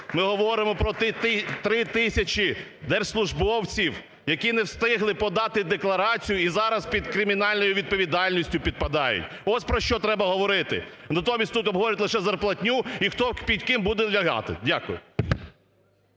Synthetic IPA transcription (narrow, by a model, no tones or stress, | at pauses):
mɪɦɔʋɔɾɪmɔpɾɔt̪ɪt̪t̪ɾɪt̪ɪsʲɐt͡ʃid̪ɛrslˠʊʒbɔwt͡sʲiw | jɐkʲinɛwst̪ɪɦlˠɪpɔd̪ɑt̪ɪd̪eklˠɐɾɑt͡sʲijʊizɑɾɐspʲid̪kɾɪmʲinɑlʲnɔjʊʋʲid̪̚pɔʋʲid̪ɑlʲnʲisʲtʲʊpʲid̪̚pɐd̪ɑjʊ̰tʲ | ɔsʲpɾɔʃt͡ʃɔt̪ɾɛbɐɦɔʋɔɾɪt̪ɪ̰ | nɐt̪ɔmʲisʲt̪ut̪ɔbʱɦɔʋɔɾʲɛɐtʲlˠɪʃɛzɐrplˠɐtʲnʲuixt̪ɔpʲidʲkɪmbud̪ɛlʲɐɦɑ̰t̪ɪ̰dʲakʊjʊ